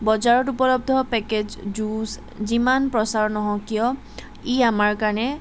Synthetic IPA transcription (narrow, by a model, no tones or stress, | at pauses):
bɔzaɹɔtupɔlɔb̚d̪ʱɔpɛked͡ʒd͡ʒus | zimanpɹɔsaɹnɔɦɔ̃jkijɔ̃ | iamaɹkaɹnɛ